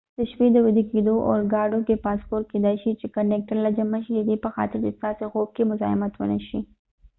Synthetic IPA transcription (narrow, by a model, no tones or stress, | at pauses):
d̪̥əʃped̪əwɪd̪eked̪oʔo̰ɾɡɑɖokepɑspoɾt̪̚ked̪ajʃit͡ʃekɐnːek̚ʈəɾlad͡ʒamaʃiled̪epəxɑ̰t̪ɪɾest̪ɑseɣob̚kemʊzɑ̰ɪmat̪wə̰nəʃi